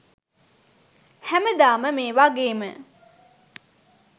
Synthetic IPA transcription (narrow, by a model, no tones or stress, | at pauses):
hæməd̪aːməmeːʋaɡeːmə̰